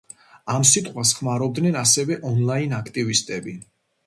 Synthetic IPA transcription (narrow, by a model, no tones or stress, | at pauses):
amsit̪ʼqʼwas̬χmaɾɔb̚d̪nɛnasɛvɛʔɔnlˠainakʰt̪ʼivist̪ʼɛbi